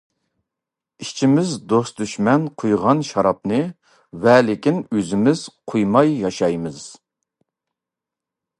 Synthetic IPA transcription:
iʃt͡ʃʰimɪzd̪osd̪yʃmɛnqʰojʁɑnʃɑɾɑp̚nɨ | vɛlɪkʲinøzɪmɪz̥qʰojmɑjːɑʃɑjmɨz̥

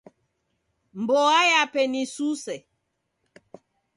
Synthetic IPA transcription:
mbɔajapɛnisusɛ

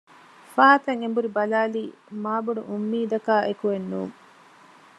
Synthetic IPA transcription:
faːt̪ɐŋembuɾibɐlaːliːmaːbuɖṵʔumːiːd̪ɐkaːʔekuʋenːuːŋ

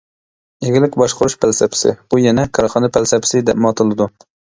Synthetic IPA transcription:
eɡʲɪlɪkʲbɑʃqʊɾuʃpʰælsɛpʰɪ̥sɪ̰bujɛnɛkʰɑɾχɑnɨpʰælsɛpʰɪ̥sɪd̪ɛpmɑt̪ʰɨlˠɨd̪u

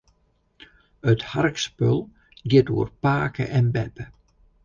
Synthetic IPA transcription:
ətharkspølˠ | ɡɪto̰ːərpaːkə̰ʔɛnbɛpə

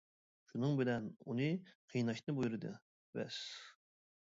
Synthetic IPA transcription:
ʃunɨŋbɪlɛnunɨqʰijnɑʃnɨbujuɾɨd̪ɨ̰ | bɛ̰s

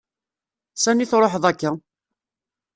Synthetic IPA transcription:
sæniθɾˤoħðˤækːæ

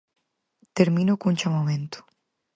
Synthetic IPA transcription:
t̪eɾmĩnokunt͡ʃamomẽnt̪ʊ̥

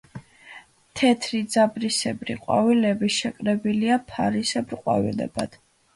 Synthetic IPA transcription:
t̪ʰɛt̪ʰɾid̪zabɾisɛbɾiqʼwa̰vilɛbiʃɛkʼɾɛbiliapʰaɾisɛbɾqʼwa̰vḭlɛ̰ba̰d̪̥

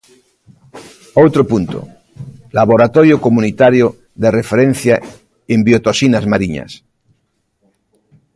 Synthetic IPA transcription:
owt̪ɾopunt̪o̰ | laβoɾat̪oɾjokomunit̪aɾjo | ðerefeɾẽn̟θja | embjot̪osinazmaɾiɲa̰s

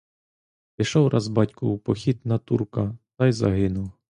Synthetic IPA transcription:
pɪʃɔwɾʔɑzbɑtʲkʊupɔxʲit̪nɐt̪ṵrkɐt̪ɑjzɐ̰ɦɪnʊw

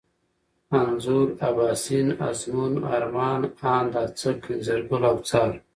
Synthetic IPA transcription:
anzuɾabaːsina̰zmuna̰ɾmɑːnaːnd̪at͡səkʰinzeɾɡulawt͡saːl

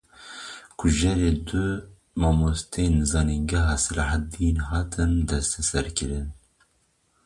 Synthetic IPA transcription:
kʰʊʒɛɾeːd̪ʊ | mɑːmost̪ʰenzɑːniŋɡɛɦɑsɨlɑħad̪inɦɑːt̪ʰɨnd̪ɛst̪ʰɛsɛɾkɨɾɨn

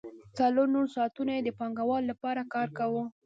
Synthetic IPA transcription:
t͡saloɾnoɾsɑːt̪unajed̪əpɑŋɡawɑlːapɑɾakɑɾkawu

